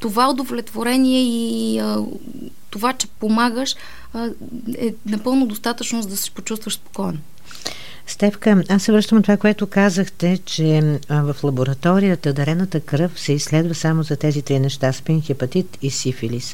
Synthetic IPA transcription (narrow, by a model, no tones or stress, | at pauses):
t̪ovaod̪ovlɛt̪voɾɛniɛi | t̪ovat͡ʃɛ̥pomaɡəʃ | ɛnɐpɤlˠnʊd̪ost̪at̪ət͡ʃnozd̪ɐsi̥pot͡ʃust̪vəʃspo̥kɔjno | st̪ɛfkəasːɛvɾɤʃt̪əmt̪ovakoɛt̪ʊkazəxt̪ɛt͡ʃɛvəflˠɐboɾɐt̪ɔɾijət̪əd̪ɐɾɛnət̪əkɾɤfsɛisːlɛd̪vəsamozɐt̪ɛzit̪ɾinɛʃt̪aspinxipɐt̪it̪isifilis